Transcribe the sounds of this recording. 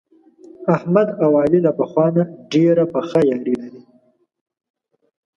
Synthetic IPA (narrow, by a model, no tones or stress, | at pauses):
ahmad̪awɑlilapaxwɑnaɖeɾapaxajɑɾilaɾi